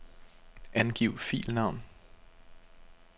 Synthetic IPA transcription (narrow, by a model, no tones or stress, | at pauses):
ʔænɡ̥iʊfḭːlnɑ̈ʊ̰n